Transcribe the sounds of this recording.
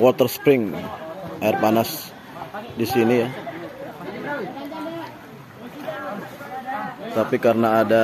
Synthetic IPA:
wɔt̪ərspɾɪŋ | arpanas | disinija | t̪apikarənaːda

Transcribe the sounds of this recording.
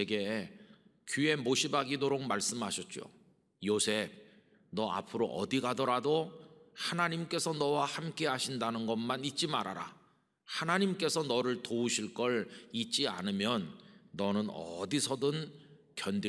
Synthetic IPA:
eɡe̞ | kue̞moɕʰibaɡidoɾok̚maɭs͈ɯmɦaɕʰʌt̚t͡ɕ͈o̰ | josʰe̞b̚ | nʌa̰pʰɯɾoʔʌ̰diɡadʌɾadohanaɲimk͈e̞sʰʌnʌwahamk͈e̞ɦaɕʰindanɯnɡʌnmanit̚t͡ɕ͈imaɾa̰ɾa̰ | hanaɲimk͈e̞sʰʌnʌɾɯɭtouɕʰiɭk͈ʌɭit͡ɕ͈ia̰nɯmjʌnːʌnɯnʌ̰disʰʌdɯn | kjʌndi

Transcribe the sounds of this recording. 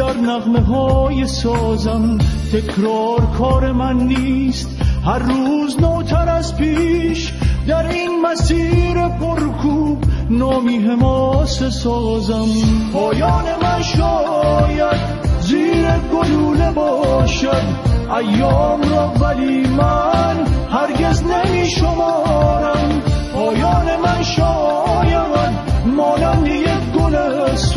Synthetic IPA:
æɾnæɣme̞ɦɒːjesɒːzæmt̪ʰe̞kʰɾɔːɾkʰɒːɾe̞mænːiːst̪hæɾːuːznɔːt̪ʰæɾæzpʰiːʃ | d̪æɾinmæsiːɾe̞pʰo̞ɾkʰubnɔːmiːɦe̞mɔːsesɔːzæmpʰɒːjɒːne̞mænʃɔːjæd̪ | ziːɾeɡoluːlebɔʃad̪æjːɔːmɾɔːvæliːmænhæɾɡeznemiːʃomɔːɾæmpɔːjɔːnemænʃɔjaænmɔːnænd̪ejekɡolæ | s

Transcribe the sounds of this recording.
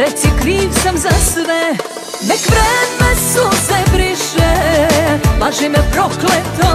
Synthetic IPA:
ɾɛt̪sikɾiːʋsamzasɛbɛ | nɛkʋɾɛːmɛsosɛbɾiʃɛ | laʒimɛpɾoklɛt̪o

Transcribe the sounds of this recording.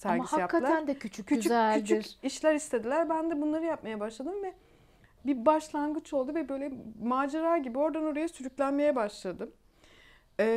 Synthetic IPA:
sæɾmahajakʰːalˠaɾænd̪ɛcʰyt͡ʃʰyyyt͡ʃʰyzælʰyt͡ʃ̪ʰyiɾiʃlʲæɾist̪ʰe̞d̪ilʲæɾbænd̪ɛbunlˠaɾɯjap̚majɛbaʃlˠad̪ɯmvɛ | bibaʃlˠanɡɯt͡ʃʰo̞lˠd̪uvɛbø̞jlʲɛmaːd͡ʒaɾaːɟibio̞ɾd̪ano̞ɾajasyɾyclʲænme̞jɛbaʃlˠad̪ɯm | ɛ

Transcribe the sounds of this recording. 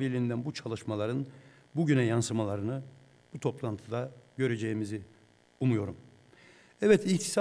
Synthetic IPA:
vilʲind̪ænbut͡ʃʰalˠɯʃmalˠaɾɯn | buɟynɛjansɯmalˠaɾɯnɯ | but̪ʰo̞plˠant̪ʰɯd̪aɟø̞ɾe̞d͡ʒejimizi | umujo̞ɾum | ɛvɛt̪ʰiçt̪ʰi̥sa

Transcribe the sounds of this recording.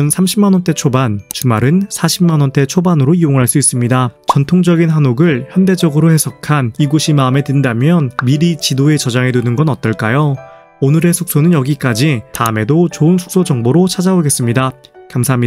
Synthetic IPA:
nsʰamɕʰimːanʌnt͈e̞t͡ɕʰobant͡ɕumaɾɯnsʰaɕʰimmanwʌnt͈e̞t͡ɕʰobanɯɾoioŋɦaɭs͈uis͈ɯmɲidat͡ɕʌntʰoŋd͡ʑʌɡinɦanoɡɯɭçjʌnde̞d͡ʑʌɡɯɾohe̞sʰʌkʰaniɡoɕʰimaɯme̞tɯndamjʌnmiɾit͡ɕidoe̞t͡ɕʌd͡ʑaŋedunɯnɡʌnʌt͈ʌɭk͈ajo | onɯɾe̞sʰuk̚s͈onɯnjʌɡik͈ad͡ʑitaɯme̞dot͡ɕoɯnsʰu̥k̚s͈od͡ʑʌŋboɾot͡ɕʰad͡ʑaboɡe̞s͈ɯmɲidakamsʰaɦamɲiaa

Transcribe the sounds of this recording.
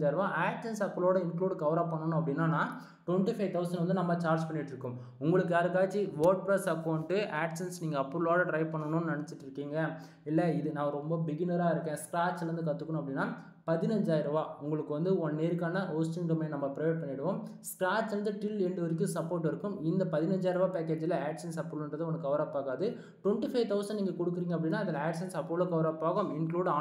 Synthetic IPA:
d͡ʒaːjɪɾɯʋãːʔaːksɐnsɐpːɐɭoːɽɐɪnkluːɽɡɐʋɾaːpɐɳːɐnʊ̃ɐpːɐɽɪnːaːnãː | ʈwɛɳʈifɐɪʋt̪ʰɐʊsɐnɖʋɐnd̪ɯnɐmːɐt͡ʃaːɾd͡ʒpɐɳːɪʈːɪɾɯkːɯm | ʊŋɡɐɭɯkːɯjaːɾɯkːaːt͡ʃːiʋoːɾʈ̚pɾɐsɐkɐʊɳʈːɯʔaːʈsɐnsniːŋɡɐːpːɯɾɯloːɽɐʈɾɐɪpɐɳːɐnʊ̃nnɐɳɐt͡ʃːɪʈːɪɾɯkːiːŋɡɐ | ɪlːɐɪðɯnãːɾɔmbɐbɪɡɪnɐɾaːɪɾɯkːẽːskɾaːt͡ʃːlɐɾɯnd̪ɯkɐt̪ːɯkːnʊ̃ɐpːɐɽɪnːaː | pɐðɪnɐɲd͡ʒaːjɪɾɯʋaːʊŋɡɐɭɯkːɯʋɐnd̪ɯɔnneːɾkaːnɐʔoːsʈɪnɾɐmeːnnɐmːɐpɪɾɐʋeːʈ̚pɐɳːɪɽɯʋõmskɾaːt͡ʃːɪɾɐnd̪ɯʈɪlɾɛɳɖɯʋɐɾɪk̬ːɯsɐpːoːɾʈ̬ːɪɾɯkːɯmɪnd̪ɐpɐðɪnɐɲd͡ʒaːjɪɾɯʋaːpeːkeːd͡ʒɪlɐaːʈsɐnsɐpːɾlnɾɐðɯ̃ɔnɐkːɐʋɐɾɐpːaːɣaːðɯ | ʈwɛɳʈifɐɪt̪ɐʊsɐnɖniːŋɡɐkɔɽɯkːɪɾiːŋɡɐpːɐɽɪnːaːɐðɪlɐaːʈsɐnsɐpːɾlɐkɐʋɐɾɐpːaːɣɯmɪnkluːɽaː

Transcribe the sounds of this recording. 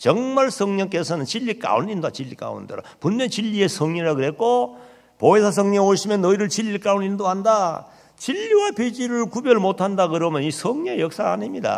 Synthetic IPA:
t͡ɕʌŋmaɭsʰʌŋɲʌŋk̬͈e̞sʰʌnɯnt͡ɕiʎːik͈a̰ṵnindoat͡ɕiʎːik͈a̰ṵndeɾo̰punmet͡ɕiʎːie̞sʰʌŋɲiɾaɡɯɾe̞t̚k͈o | poesʰas̬ʰʌŋɲʌŋoɕʰimjʌnːʌiɾɯɭt͡ɕiʎːik͈aunindoɦanda | t͡ɕiʎːiwaped͡ʑiɾɯɭkubjʌɭmotʰandakɯɾʌmjʌnisʰʌŋɲiejʌk̚s͈aːnimɲida̰

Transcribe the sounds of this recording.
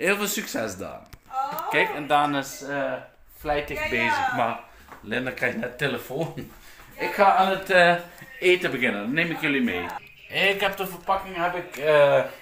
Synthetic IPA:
heːlˠvəːlˠsyksɛsda̰ːnkɛkɛndanɪsə | flɛjtəxbeːzəxma | lɪnəkrɛjxnɛtːeləfoːn | ɪkxaanətəeːtəbəxɪnədnːeːmɪkjølimeː | ɪkhɛp̚dəfərpɑkɪŋɦɛpɪkə

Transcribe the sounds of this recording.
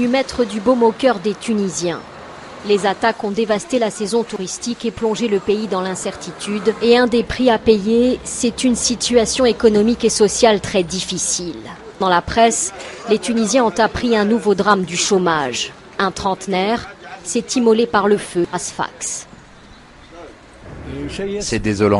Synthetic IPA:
ymɛt̪χəd̪ybɔmokʲœʁd̪et̪ynizjɛ̃ | lezat̪akɔ̃d̪evast̪elasɛzɔ̃t̪uʁist̪ikeplɔ̃ʒeləpeid̪ɑ̃lɛ̃sɛʁt̪it̪ʰyd̪eɛ̃d̪epχiapejesɛt̪ynsit̪yasjɔ̃ekɔnɔmikesɔsjalt̪χɛd̪ifisil | d̪ɑ̃lapχɛslet̪ynizjɛ̃ɔ̃t̪apχiɛ̃nuvod̪ʁamd̪yʃomaʒ | ɛ̃t̪χɑ̃t̪nɛʁsɛt̪imɔlepaʁləføasfa̰ks | sɛd̪ezɔlɑ̰̃

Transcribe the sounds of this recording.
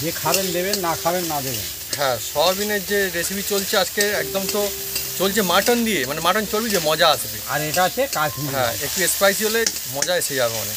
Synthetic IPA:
d͡ʒekʰabend̪ebenːakʰabenːad̪ebḛn | ɦɛ̃ʃɔb̪ineɾd͡ʑeɾesibʱit͡ɕolt͡ɕʰead͡ʑkeɛk̚d̪omt̪o | t͡ɕolt͡ɕʰemaʈond̪ijemanemaʈont͡ɕolbid͡ʒemɔd͡ʑaasʰet̪ḭa̰ɾeʈat͡ʃʰekad͡ʒniɦɛ̃ek̚ʈiespɾajs̬iɦole | mɔd͡ʑaesed͡ʑabema̰nḛ

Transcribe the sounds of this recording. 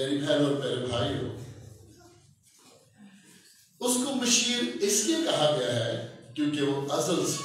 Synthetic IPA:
eːɾibʱɛːɾoːpɛːɾebʱaːiɦo̰ː | ʊskomɐʃiːɾɪskekɐɦaɡɪjaɦɛːkjũːkeʋoʔɐzəls

